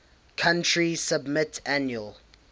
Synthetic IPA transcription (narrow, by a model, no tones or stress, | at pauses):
kʰãntʰɹisəbmɪtʰanjuəl